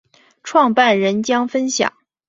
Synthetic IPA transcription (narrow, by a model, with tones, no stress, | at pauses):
ʈ͡ʂʰwɑ˥˧ŋpa˥˩nɻə˧˥nt͡ɕjɑ˥ŋfə˥nɕjɑ̰˨˩˦ŋ